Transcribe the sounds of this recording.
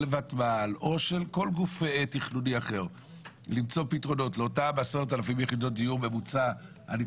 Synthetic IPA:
levatmalo̞ʃelko̞lɡufetiχnuniaχe̞ʁ | limt͡so̞pitʁo̞no̞tleotabaseʁtalafimjeχido̞t̚d̪ijuʁme̞mut͡sa | a̰ni

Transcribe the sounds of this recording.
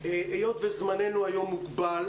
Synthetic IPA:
eʔejot̪vezmanenuajo̞mːuɡbal

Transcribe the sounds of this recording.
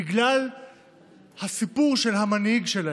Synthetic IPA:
iɡlal | hasipuʁʃe̞lɦamanhiɡʃela

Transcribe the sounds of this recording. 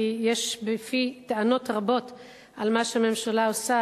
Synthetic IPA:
ijeʃbefiteano̞tʁabo̞t | almaʃeame̞mʃalaosa

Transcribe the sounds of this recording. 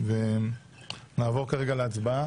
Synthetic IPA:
ve | naːvo̞ʁkaʁeɡaleat͡sba

